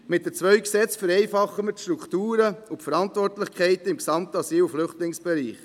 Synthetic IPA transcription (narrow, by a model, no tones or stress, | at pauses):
mɪt̚d̥ət͡sʋœʏksɛt͡sfəɾɛɪfɑχːəmətʃtɾuktuːɾəʊpfəɾɑntvɔrtlɪχkʰχɛɪtɪmksɑmtəɑsiːlflʏχtlɪŋsb̥ɛɾiːχ